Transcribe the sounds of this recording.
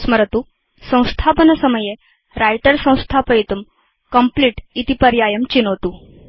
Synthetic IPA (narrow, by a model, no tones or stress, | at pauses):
sməɾt̪u | sə̃w̃st̪ʰapənəsəməje | ɾajʈəɾsɐ̃w̃st̪ʰapəit̪um | kəmpliːʈit̪ipəɾjajəmt͡ɕinɦot̪u